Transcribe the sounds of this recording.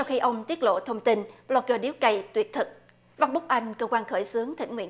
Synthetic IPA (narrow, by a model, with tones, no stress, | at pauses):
sa˧wxi˧ʔə˧wŋ͡mt̪i˦˥ət̚lo̰˧˨t̪ʰə˧wŋ͡mt̪i˧nlɔ˧˩zəː˧˩ɗi˨˦wkə˧˩jt̪wi˨˩ət̚t̪ʰɨ˨˩k̚ | va˧wnɓʊ˦˥k͡p̚ʔa˧jŋ̟kəː˧kwaː˧nxəː˧˩jsɨ˨˦əŋt̪ʰḭ˧˩ŋ̟ŋwḭ˧˥ə